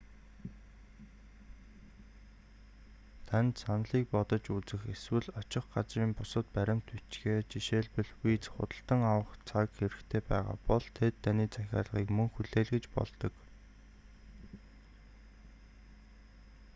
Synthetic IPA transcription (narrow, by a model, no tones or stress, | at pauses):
t̪ʰænt̪sanɮiːk̚pɔt̪ɞ̆t͡ɕut͡sɘ̆xeswɘ̆ɮɔt͡ɕɪ̆χɢat͡sriːmpʊsə̆t̪̚pæɾʲɪ̆m̥t̪ut͡ɕɡeːt͡ɕiʃeːɮpə̆ɮwiːt͡sχʊ̰t̪ə̆ɬt̪ə̆ŋawə̆χt͡sʰakxeɾɘ̆xt̪ʰeːpæ̰ːʁa̰ːpɔɮ̥t̪ʰet̪ʰːaniːt͡sæxʲa̰ːɮʁiːkmɵŋxɵɮeːɮɡet͡ɕpɔ̰ɮt̪ɞ̆k